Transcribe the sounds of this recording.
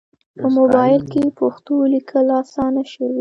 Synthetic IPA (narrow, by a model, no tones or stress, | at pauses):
pəmobɑjɪlkepoxt̪olikʰəlɑsɑnaʃəwi